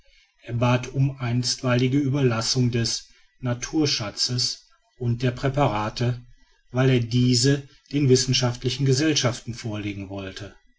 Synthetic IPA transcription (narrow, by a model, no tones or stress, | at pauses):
ʔeːɐbaːtʰʊmʔaɪnstv̥aɪlɪɡəyːbɐlasʊŋdɛs | natʰuːɐʃat͡səs | ʔʊnt̚d̥eːɐpʁ̥ɛpaʁaːtə | vaɪleːɐdiːzə | d̥eːnvɪsn̩ʃaftlɪçn̩ɡəzɛlʃaftn̩foːɐleːɡŋ̩vɔltʰə